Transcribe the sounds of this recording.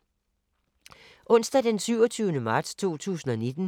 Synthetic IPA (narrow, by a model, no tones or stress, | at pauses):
ʔɔ̽n̰sd̥æd̥ensyʊ̰ɒt͡sʰyːʊnəmɑ̈ːd̥st͡sʰo̝̰ːt͡sʰṵːsn̩ɒ̽ned̥n̩